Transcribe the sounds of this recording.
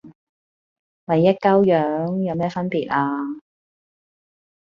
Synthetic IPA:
mɐ˨jːɐ˥t̚kɐ˥wjœː˨˥ŋjɐ˨˧wmɛː˥fɐ˥npiː˨t̚ʔaː˧

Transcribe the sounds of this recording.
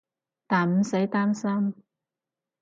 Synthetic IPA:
t̪aː˨˩nm̩˨˥se˨˥jt̪aː˥nsɐ˥m

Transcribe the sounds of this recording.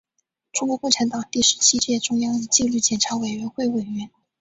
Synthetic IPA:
ʈ͡ʂʊ˥ŋkwɔ˧˥kɔ˥˩ʈ͡ʂʰa˧˥nt̪ɑ˨˩ŋt̪i˥˩ʂɻ̩˧˥t͡ɕʰi˥t͡ɕjɛ˥˩ʈ͡ʂʊ˥ŋjɑ˥ŋə˧t͡ɕi˥˧ŋly˥˩t͡ɕjɛ˨˩nʈ͡ʂʰa˧˥we˨˩ɪɥɛ˧˥nxwe˥˩ɪwe˨˩ɪɥɛ˧˥n

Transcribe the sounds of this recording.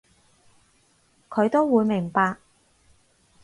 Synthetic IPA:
kʰɵ˨˧ɥt̪o˥wwuː˨˧jmɪ˨˩ŋpaː˧k̚

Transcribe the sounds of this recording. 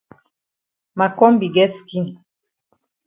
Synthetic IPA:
ma˨kɔ˦m˦bi˨ɡɛ˦ski˦n

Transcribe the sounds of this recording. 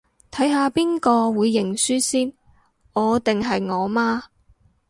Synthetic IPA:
t̪ʰɐ˨˥jɦaː˨˧piː˥nkɔː˧wuː˨˧jːɪ˨˩ŋsyː˥siː˥n | ɔː˨˧t̪ɪ˨ŋɦɐ˨jŋɔː˨˧maː˥

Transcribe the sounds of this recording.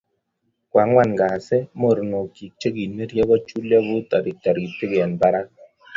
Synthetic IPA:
kwa˨˦ŋwa˦˨nɡa˨sɛ˦mo˨ɾno˨ki˨k̚t͡ʃe˦ɡi˨nme˦ɾjɛ˦ɡɔ˦t͡ʃu˦lja˦βʊ˦t̪a˨ɾɪ˨ta˨ɾɡi˨pɪ˦ɡɛ˨nba˦ɾa˦

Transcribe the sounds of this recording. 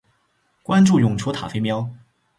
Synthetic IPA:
kwa˥nʈ͡ʂu˥˩jʊ˨˩ŋʈ͡ʂʰu˧˥t̪ʰa̰˨˩fe˥mjɑ˥ʊ

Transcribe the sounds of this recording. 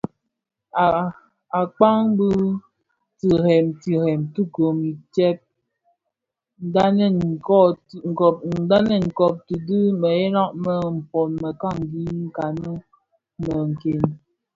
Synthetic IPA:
a˨k͡pa˦ŋbɨ˦ | ti˨hɛ˨mti˨hɛ˨mtu˦ko˨mi˨tɛ˦p̚ | n̩˦da˦nɛ˦˨kɔ˦ŋ̩̚˨˦da˦nɛ˦˨ŋ̩˨kɔ˦˨p̚ti˨dɨ˦mə˨ɛ˦la˦ʔmə˨m̩˨pɔ˨nmə˨ka˦˨ŋ˨ɡi˦ŋ̩˦˨ka˨nə˦ | mə˨ŋ̩˨ke˨n

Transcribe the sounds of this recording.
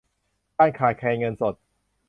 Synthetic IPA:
kaː˥˩nkʰaː˨˩j̚kʰɛː˧ŋɤ˧nso˨˩t̪̚

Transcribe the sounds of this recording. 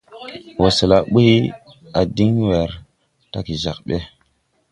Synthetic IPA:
wo˨sə˨la˨ɓu˦hi˦ | a˨di˦ŋwe˨ɾ | ta˦ki˨za˨k̚ɓe˦

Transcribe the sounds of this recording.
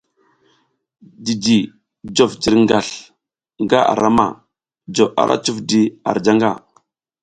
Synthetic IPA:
di˨d͡ʒi˨ | d͡ʒo˨fd͡ʒi˨ɾŋɡa˨ɬ | ŋɡa˦ʔa̰˨ɾa˦ma̰˨ | d͡ʒo˨ʔa̰˨ɾʔa̰˦t͡ʃu˦fdi˦a̰˨ɾd͡ʒa˦ŋɡa̰˨

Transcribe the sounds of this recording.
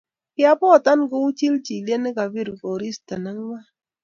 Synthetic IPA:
kɪ˦a˦pɔ˦˨ta˦nɡo˦u˦t͡ʃi˦lt͡ʃi˨lje˦nɪ˦ka˨bi˦ɾko˨ɾi˦sta˨na˦ŋ˦wa˦

